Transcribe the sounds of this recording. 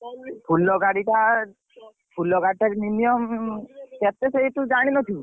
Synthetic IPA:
pʰulːɔɡaɽiʈa | pʰulːɔɡaɽiʈakninijɔmkɛt̪eseɦit̪ud͡ʒaɽ̃inɔt̪ʰi

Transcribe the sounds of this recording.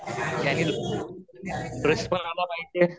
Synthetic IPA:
t̪aniːl | bɾəspənalapaɦid͡ʑe

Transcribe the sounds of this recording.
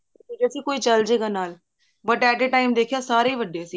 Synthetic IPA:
id͡ʒaːsiːkoːiːt͡ʃəld͡ʒeːɡaːnaːl | bəʈɛːʈeːʈaːɪmd̪eːkʰjaːsaːɾeːʋəɖjaːsiː

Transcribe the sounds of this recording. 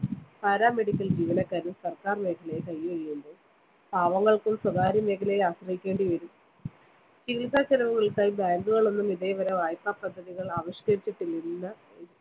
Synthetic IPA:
paːɾaːmeɽikʲːɐld͡ʑiːʋɐnɐkːaːɾumsɐrkaːrme̞ːkʰɐlejkɐjːɐiːuɳɖɨ | bʱaːʋɐŋːɐɭkumswɐðaːɾjɐme̞ːkʰɐlejaːɕrɐɦikʲːeːɳɖiʋɐɾum | t͡ɕiilsaːɕɐnɐʋɐŋːɐɭkaːjibaːŋɡuɣɐɭo̞nːumiðeːʋɐɾɐʋaːjpːaːpɐd̪ʱːɐðiɣɐɭaːʋɐɕkɐɾit͡ɕːiʈːinːinːɐ

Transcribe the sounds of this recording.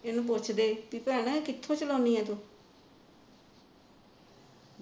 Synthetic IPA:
ɪnũːp̬ʊt͡ʃʰd̪eːpiːpɛːɽ̃kɪt̪ʰːõːt͡ʃəlɔːniːɛ̃ːt̪uː

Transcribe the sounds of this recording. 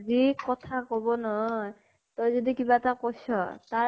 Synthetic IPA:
zikɔtʰakobɔnɔɦɔj | tɔjzodikibaɛtakojsɔ̰ta

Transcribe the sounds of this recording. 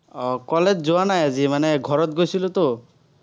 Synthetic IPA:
ɔkɔled͡ʒd͡ʒowanajazimaneɡʱɔɾɔt̪̚ɡojsilut̪o

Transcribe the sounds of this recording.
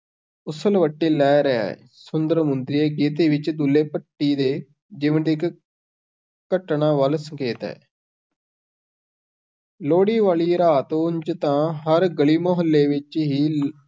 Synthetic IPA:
ʊsəlʋəʈːiːlɛːɾəa̰ | sʊnd̪əɾmʊnd̪ɾiːeːɡeːt̪̬eːʋɪt͡ʃd̪ʊlːeːpəʈːiːd̪eː | d͡ʒɪʋənd̪ɪk | kəʈɳãːʋəlsəŋkeːt̪ɦɛ̰ː | loːɽiːʋaːɭiːɾaːt̪ːʊɲd͡ʒt̪ãːɦəɾɡəɭiːmoɦəlːeːʋɪt͡ʃɦiː

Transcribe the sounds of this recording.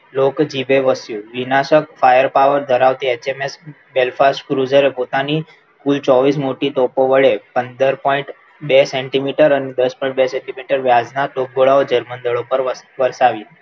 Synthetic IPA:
lokd͡ʒibeʋəsjũʋinaʃəkfajəɾpaʋəɾd̪ʱəɾaʋt̪iet͡ʃemes | belfasʈkɾud͡ʒəɾepot̪ani | kult͡ʃɔʋis̬moʈiʈ̪opoʋəɭepənd̪əɾpɔiɳʈ | beseɳʈimiʈəɾaned̪əspɔĩɳʈbesẽɳʈimiʈəɾʋjad͡znaʈok̚ɡoɭaod͡ʒəɾmənd̪əɭopəɾʋəɾsaʋi

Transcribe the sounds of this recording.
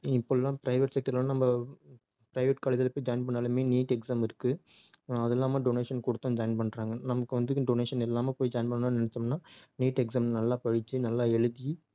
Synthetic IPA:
ɪpːoːɛlːãːpɪɾɐɪʋɛʈsɛk̚ʈɐɾlãnɐmbɐ | pɪɾɐɪʋɛʈ̚kaːlɐðɐlɐpːoːjd͡ʒɐjɪnpɐɳːaːlɐmeːniːʈɛksaːmɪɾɯkːɯ | ɐðɛlːaːmaːɖoneːʂɐnkɔɽɯt̪ːɐ̃md͡ʒɐjɪnpɐɳɾaːŋɡɐnɐmɐkːɯʋɐnd̪ɯkːɖoneːʂɐnɛlːaːmɐpoːjd͡ʒɐjɪnpɐɳːɐnːnɪnɛt͡ʃːɐmnaːniːʈɛksaːmnɐlːaːpɐɻɪt͡ʃːɯnɐlːaːɛɻɯði

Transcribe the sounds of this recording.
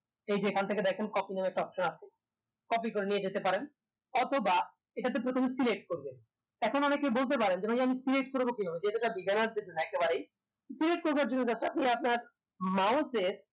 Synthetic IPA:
ejd͡ʑekʰant̪ʰeked̪ɛkʰenkɔpineɛk̚ʈaɔpʃonat͡ɕʰe̥ | kɔpikoɾenied͡ʑet̪epaɾen | ɔt̪ʰoba | eʈat̪̬ep̬ɾot̪ʰomesileʈkoɾbe | ɛkʰonɔnekebolt̪ep̬aɾend͡ʑebʱaʃiamisileʈkoɾbokinaed͡ʑeɦet̪oʈabiɡanaɾd̪eɾd͡ʑonːoɛkebaɾej | sileʈ̚koɾbaɾd͡ʑonːod͡ʑat͡ɕʰːʈaap̚niap̚naɾ | mawseɾ

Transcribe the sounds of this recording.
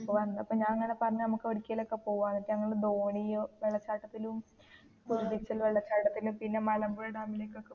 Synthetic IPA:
ʋɐnːɐɐpːoːɲaːnɐŋːɐne̞pɐrɐɲːɐnɐmukːɨoɽikʲːijɐlo̞kːe̞po̞ːʋaːnɐkːiɐŋːɐɭɽed̪o̞ːɳiʋeɭːɐt͡ɕːaːʈːɐt̪ːilum | puɾuðit͡ɕːɐlʋeɭːɐt͡ɕːaːʈːɐt̪ːilumpinːe̞mɐlɐmboɭeɖaːmileːkːo̞kːe

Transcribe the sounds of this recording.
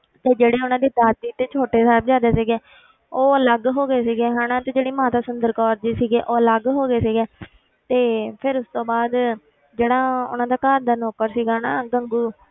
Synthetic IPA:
t̪eːd͡ʒeːɽeːʊnãːd̪iːd̪aːt̪ːiːt̪eːt͡ʃʰoːʈeːsaːbd͡ʒaːd̪eːsiːɡeː | oːələɡɦoːɡeːsiːɡeːɦãːnaːt̪eːd͡ʒeːɽiːmãːt̪aːsʊnd̪əɾkɔːɾd͡ʒ̪iːsiːɡeːʔoːələɡɦoːɡeːsiːɡeː | t̪eːpʰɪɾʊst̪õːbaːd̪ | d͡ʒeːɽaːʊ̰nãːd̪aːkəɾd̪aːnɔːkəɾsiːɡaːnaːɡəŋɡuː

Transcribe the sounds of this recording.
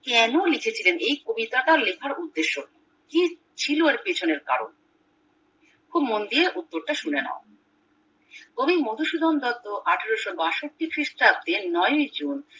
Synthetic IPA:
kɛnolikʰet͡ɕʰilenʔejkobit̪aʈalekʰaɾud̪ːeʃːo | ki | t͡ɕʰiloeɾpet͡ɕʰoneɾka̰ɾo̰n | kʰubmond̪ieʔut̪ːoɾʈaʃunena̰o | kobimod̪ʱuʃud̪ʱɔnd̪ɔt̪ːoʔaʈʰaɾoʃobaʃoʈ̚ʈikɾiʃʈab̚t̪enɔjojd͡ʑun

